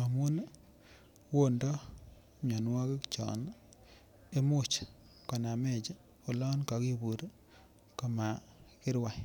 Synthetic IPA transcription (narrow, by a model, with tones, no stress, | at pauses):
a˨mu˦n˦ | wo˦ndɔ˦ | ɲɔ˨nwɔ˦ke˦kt͡ʃɔ̰˨n | e˦mʊ˦t͡ʃ | kɔ˨na˨me˦˨d͡ʒa˦ | o˨lɔ˦nka˨˦ki˦bu˨ɾ | ka˨ma˨kɪ˦ɾwa˨